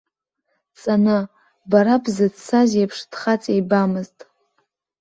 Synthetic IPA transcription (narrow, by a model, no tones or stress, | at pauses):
t͡sʼanɨ | baɾabzɨdt͡sʰazapʰʂd̥χat͡sʼejbamɨztʼ